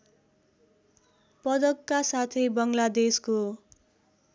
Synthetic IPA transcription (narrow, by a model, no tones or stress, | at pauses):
pʌd̪ʌkːasat̪ʰebʌŋlad̪esko